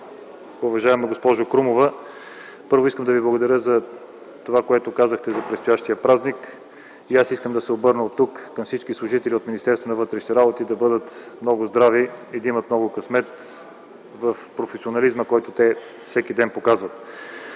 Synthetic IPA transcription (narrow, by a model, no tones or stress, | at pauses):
ʊvɐʒaɛmɛɡospɔʒʊkɾumovə | pɤɾvoiskəmd̪ɐviblˠɐɡʊd̪ɐɾʲjəzɐ | t̪ovakoɛt̪ʊkazəxt̪ɛzɐpɾɛt̪st̪ʊjaʃt̪ijəpɾaznik | iasiskəmd̪ɐsɛobɤɾnəot̪ːukːɐmfsit͡ʃkislˠʊʒit̪ɛliot̪minist̪ɛɾst̪vonɐvɤt̪ɾɛʃi̥t̪ɛɾabot̪id̪ɐbɤd̪ət̪mnɔɡʊzd̪ɾaviid̪ɐimət̪mnɔɡʊkɐsmɛt̪ | vəfpɾofɛsionɐlizməkɔjt̪ot̪ɛ | fsɛkid̪ɛnpokazvət̪̚